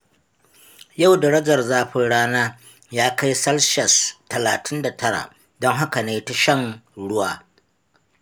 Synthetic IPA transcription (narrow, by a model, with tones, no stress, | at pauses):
ja˦˨wdɐ˨ɾɐ˦d͡ʒɐ˨rzaː˦ɸɪ˨ɽaː˦naː˦ | jaː˦ka˦jsɐ˦lʃɐ˨stɐ˨la̰ː˨tʰɪ˦nda˨tʰɐ˦ɽa̰˨ | dɔ˦ŋɦa˦ka˨neː˦ta˦ʃɐ˦ŋɽʊ˦waː˨